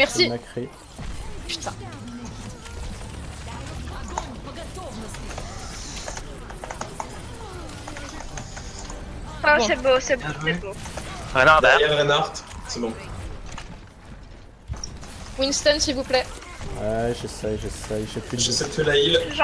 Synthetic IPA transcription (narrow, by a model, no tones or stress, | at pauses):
mɛʁsimakχi | py̥t̪ã | ɔ̃sɛbosɛbɛboʁenaʁd̪ɛjɛʁʁenaʁt̪sebɔ̃ | winst̪ɔnsilvuplɛwɛʒesɛjʒesɛjʒepyʒsɛt̪əlailʒ